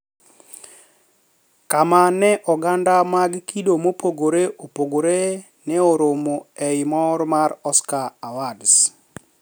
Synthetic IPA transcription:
kamanɛʔɔɡandamaɡkidomopoɡoɾeʔopoɡoɾe | nɛoɾomoɛjmɔɾmaɾɔskaawads

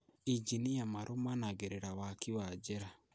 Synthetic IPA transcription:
iɟinijamaɾomanaɣeɾeɾawakiwad͡ʒeɾa

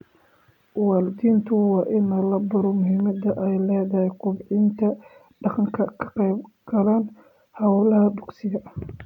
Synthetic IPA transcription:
wɑːld̪iːnt̪ʰʊwɑːʔɪnɐlɐbɐɾɔmʊɦɪmɐd̪ɐʔɛjlɛːðɐhɛjqʊbʕɪnt̪ʰɐ | ɖɑqɑŋkʰɐkʰɐ̥qɛjbɡ̥ɐlaːn | hɐʊlɐhɐbʊɡsɪɣɐ

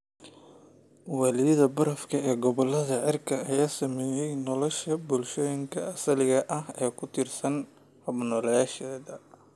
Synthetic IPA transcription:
walɪɐðɐbɐɾɐfkʰɐɛːɡɔβɔlɐðɐʕɪrkʰɐɐjaːsɐmɛːjɛjnɔlɔʃɐbʊlʃɔːjɪŋkʰɐɐsɐlɪɣɐʔɐɦɛːkʰʊt̪ʰɪrsɐn | hɐbnɔlɛjaːʃɛːðɐ

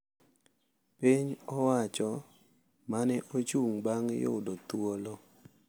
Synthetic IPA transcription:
piɲɔwat͡ʃɔ | manɛʔot͡ʃuŋbaŋjo̰dɔt̪wolɔ

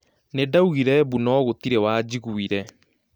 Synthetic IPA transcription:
nedauɣiɾɛβunɔɣotiɾewaːd͡ʑiɣuiɾɛ

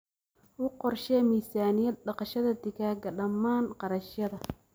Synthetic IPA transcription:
wʊqɔrʃɛːmiːsaːnɪjɐd̪̚ɖɑqɑʃɐðɐd̪ɪɣaːɡɐɖɐmaːnqɑɾɐʃjɐðɐ

